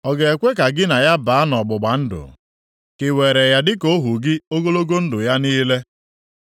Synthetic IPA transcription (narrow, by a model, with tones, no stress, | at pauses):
ɔ˨ɡe˨e˨kʷe˦ka˨ɡɪ˦na˨ja˦ba˨˦nɔ˨ɡ͡bʊ˨ɡ͡ba˨n̩˦dʊ̰˨ | kɪ˨we˨ɾe˨ja˨dɪ˦ko˦ɦu˨ɡɪ˦o˦ɡo˦lo˦ɡo˦n̩˦dʊ˨ja˦niː˦le˦